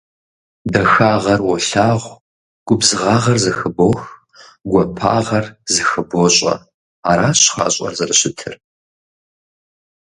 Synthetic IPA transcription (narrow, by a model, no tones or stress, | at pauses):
dɐxaːʁɐrwɔɬaːʁʷ | ɡ̥ʷʊbzɨʁɑːʁɐrzɨxɨbox | ɡʷɔpʰa̰ːʁɐrzɨxɨboɕʼɐ̰ | aːɾaːɕχɑ̰ːɕʼɐ̰rzɐrɨɕɪtʰɨ̰r